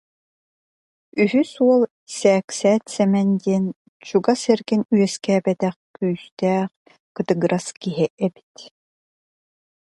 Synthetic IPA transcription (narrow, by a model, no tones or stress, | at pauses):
yɦysuɔlˠ | sɛːksɛːt̪sɛmɛnd̪iɛn | t͡ɕuɡasɛɾɡinyœskɛːbɛt̪ɛχkyːst̪æːχ | kɯt̪ɯɡɾʔaskiɦɛʔɛbi̥t̪